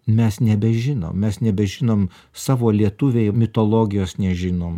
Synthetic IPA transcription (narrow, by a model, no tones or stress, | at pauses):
mʲɛsnʲɛbʲɛʒʲɪno̰ːmmʲɛsnʲɛbʲɛʒʲɪnoːm | sɑːʋoːlʲiɛt̪ʊʋʲejmʲɪt̪oːlˠoːɡʲɪjoːsnʲɛʒʲɪnoːm